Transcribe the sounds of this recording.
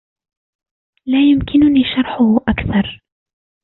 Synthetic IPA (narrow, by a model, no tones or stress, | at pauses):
laːjʊmkɪnʊniːʃɑɾˤħʊhʔakθɑɾˤ